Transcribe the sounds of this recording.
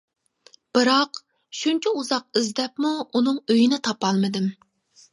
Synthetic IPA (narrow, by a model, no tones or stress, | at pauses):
b̥ɨɾɑq | ʃunt͡ʃʰɛuzɑq̚izd̪ɛpmuunɨŋøjinɪt̪ʰɑpɑlˠmɨd̪ɪm